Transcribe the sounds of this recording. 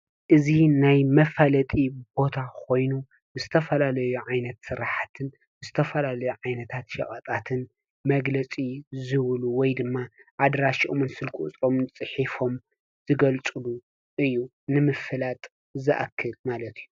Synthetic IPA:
ʔɨzinajmɐfalɐt̪ʼibo̞t̪ʰakʰo̞jnu | zɨt̪ʰɐfɐlalɐjuʕajnɐt̪sɨɾaħat̪ʰɨn | zɨt̪ʰɐfɐlalɐjuʕajnɐt̪ʰat̪ʃɐ̰kʼɐt̪ʼat̪ʰɨn | mɐɡlɐt͡sʼizɨβluwɔjd̪ɨmːaʔad̪ɾaʃiʔomɨnsɨlkʼut͡sʼɾo̞mnt͡sʼɨħifo̞m | z̥ɨɡɐlt͡sʼɨlu | ʔɨjːu | nɨmɨfɨlat̪ʼ | zɨʔa̰kʰːɨlmalɐt̪ʰɨjːu

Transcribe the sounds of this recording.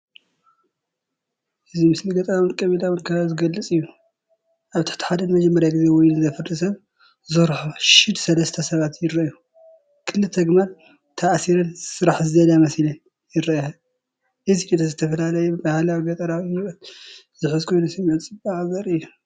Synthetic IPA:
ʔɨzimɨsliɡɐt̪ʼɐɾawɨnkʼɐβilawɨnkʰɐβazɨɡɐlːɨt͡sʼɨjːu | ʔaβt̪ɨ̥ħt̪i̥ħad̪ɐnmɐd͡ʒɐmːɐɾjaɡɨze̞wɔjnzɐfɨɾɨsɐβ | zɨɾħoʃɪd̪sɐlɐst̪ʰɐsɐβat̪jɪɾɐju | kʰɨlːɨt̪ʰɐɡmal | t̪ʰɐʔsiɾɨnsɨɾaħzɨɐd̪amɐslɐ | jɪɾɐa | ʔɨzit͡ʃʼit̪ʰɐzɨt̪ʰɐfɐlalɐjɛbɨbahlawiɡɐt̪ʼɐɾawnnɨt̪ | zɨħɨzkʰo̞jnusɐmʕɨt͡sʼɨbaʕaβɐɾɨjːu

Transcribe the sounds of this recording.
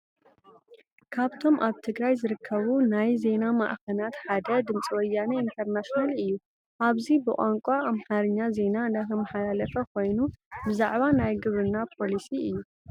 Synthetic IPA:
kʰaβt̪ʰo̞mʔaβt̪ʰɨɡɾajzɨɾɨkʰːɐβunajze̞nama̰ʔkʰɐnat̪ħad̪ɐd̪ɨmt͡sʼiwɔjːanɐint̪ʰɐɾnaʃnalɨjːu | ʔaβzibɨkʼaŋkʷʼaamħaɾɨɲːaze̞naɨnd̪akʰɐmːɐħalalɐfɐkʰo̞jnubɨzaʕβanajɡɨβɾɨnːapʰo̞lisiɨjːu

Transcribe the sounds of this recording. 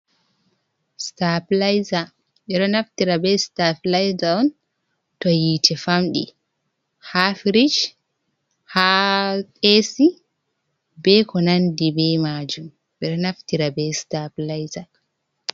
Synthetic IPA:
staplajza | ɓɛɗɔnaftiɾabɛstaplajzaɔn | tɔjiːtʰɛfamɗḭ | hafɾid͡ʒ | hakesi | bɛkɔnandibɛmad͡ʒum | ɓɛɗɔnaftiɾabɛstaplajza

